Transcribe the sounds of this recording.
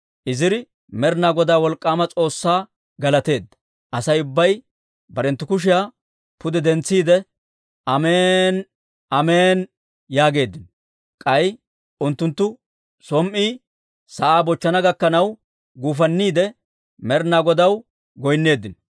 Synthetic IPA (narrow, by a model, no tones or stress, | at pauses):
ʔɪzɪɾɪ | mɛɾnaːɡɔd̪aːwɔlkʼːaːmɐt͡sʼo̞ːsːaː | ɡɐlɐt̪e̞ːd̪ːɐ̥ | ʔɐsɐjʊbːɐj | bɐɾɛnt̪ːʊkʊʃ̬ɪjaː | pʊd̪ɛd̪ɛnt͡sːiːd̪ɛ | ʔɐmeːn | ɐmeːn | jaːɡe̞ːd̪ːɪnɔ | kʼɐj | ʔʊnt̪ːʊnt̪ːʊ | sɔmʔiː | sɐʔaːbɔt͡ʃːɐnɐɡɐkːɐnɐw | ɡuːf̬ɐnːiːd̪ɛ | mɛɾnaːɡɔd̪ɐw | ɡɔjnːe̞ːd̪ːɪnɔ